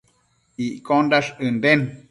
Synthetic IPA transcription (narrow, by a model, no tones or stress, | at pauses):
iʔkondaʂɨnd̪en